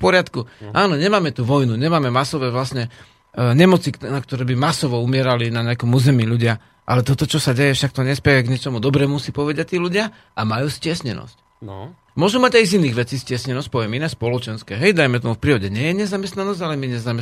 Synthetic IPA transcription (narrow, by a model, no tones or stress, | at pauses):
fpɔɾɪat̪kuʔaːnɔɲɛmaːmɛt̪uːʋɔjnuɲɛmaːmɛmasɔʋɛːʋlasɲɛ | ɲɛmɔt͡sinakt̪ɔɾɛːbimasɔʋɔumɪɛɾalinaɲɛakɔmuːzɛmiːʎuɟɪa | ʔa̰lɛt̪ɔt̪ɔt͡ʃɔsaɟɛjɛfʃak̚t̪ɔɲɛspɛjɛɡɲɛt͡ʃɔmud̪ɔbɾɛːmusipɔʋɛdac̚t̪iːluɟɪa | ʔamajuːscɪɛsɲɛnɔ̰sc | mʊɔʒumaɟajziniːɣʋɛt͡siscɪɛsɲɛnɔsc̚pɔʋɪjɛminɛːspɔlɔt͡ʃɛnskɛɦɛjd̪ajmɛt̪ɔmufpɾiːɔɟɛɲɪɛjɛɲɛzamɛst̪nanɔzɟalɛmiɲɛzamɛ